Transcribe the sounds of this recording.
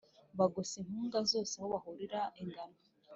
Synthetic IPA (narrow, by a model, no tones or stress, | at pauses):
βaɡosinhuːŋɡazo̞ːseahoβahuɾiɾaʔiŋɡana